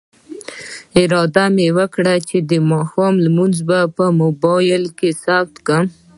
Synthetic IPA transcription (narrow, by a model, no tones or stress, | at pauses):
ɪɾɑd̪amewəkɽat͡ʃed̪əmɑxɑmlmunzbapəmʊbɑjɪlkesaft̪kəm